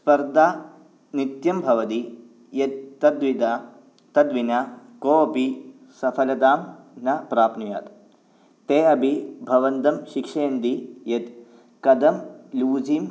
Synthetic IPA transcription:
spɐɾd̪ʱaː | nit̪jɐmbʱɐʋɐt̪i | jɐt̪̚t̪ːɐd̪ʋid̪a | t̪ɐd̪ʋinɐ | koːɐpi | sɐpʰɐlɐd̪aːm | nɐpɾaːpnuja̰ːt̪ | t̪eːɐbʱibʱɐʋɐnt̪ɐmʃikʂeːnd̪ijɐt̪ | kɐd̪ɐmluːd͡ʒiːm

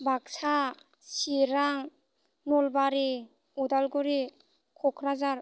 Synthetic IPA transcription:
baksa | siɾaŋ | nɔlbaɾi | ɔdalɡuɾi | kʰɔkʰɾazaɾ

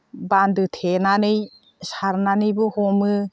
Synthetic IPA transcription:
bandɯt̪ʰenanɯj | saɾnanɯjbɯhɔmɯ

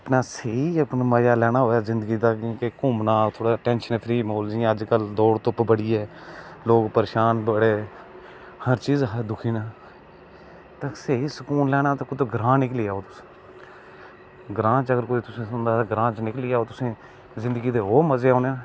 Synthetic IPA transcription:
əpnaːseːiːəpnməjaːlɛːɽ̃aːɦoːjaːzɪ̃nd̪əɡiːd̪aːkĩːkekʊmnaːt̪ʰoːɽaːʈɛ̃ːnʃənpʰɾiːmoːld͡ʒiãːəd͡ʒkəld̪oːɽt̪ʊpbəɽiːɛːloːɡpəɾeːʃaːnbəɽeː | həɾt͡ʃiːzɦəd̪ʊkʰiːnaː | t̪ãseɦiːsəkuːnlɛːɽaːt̪aːkʊd̪oɡɾãːnɪkliːaːoːt̪ʊs | ɡɾãːt͡ʃəɡəɾkoːiːt̪ʊsẽːsʊnd̪aːɡɾãːt͡ʃnɪkliːaːoːt̪ʊsẽː | zɪ̃nd̪əɡiːt̪eːɦoːməzeːaːneːnː

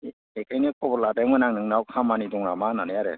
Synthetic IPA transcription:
ekʰajnikʰɔbɔɾladamɯnaŋnɯŋnawkʰamanidɔŋɾamananajaɾḛ

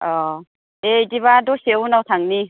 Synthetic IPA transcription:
ɔ | ediβadɔsewunawtʰaŋni

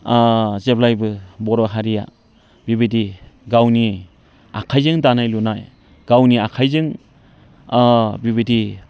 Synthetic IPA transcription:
zeplajbɯbɔɾɔɦaɾija̰ | bibidiɡawni | a̰kʰajzɯŋdanajlunaj | ɡ̥awniakʰajzɯŋ | biβidi

